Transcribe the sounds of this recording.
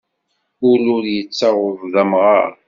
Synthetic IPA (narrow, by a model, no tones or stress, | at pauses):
ʊlʊɾjət͡sːaʁʊvðæmʁɑ̰ɾ